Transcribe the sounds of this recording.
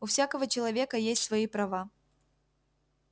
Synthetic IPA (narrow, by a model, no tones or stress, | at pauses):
ʊfsʲakəvət͡ɕɪlˠɐvʲe̞kəjesʲtʲsvɐipɾɐva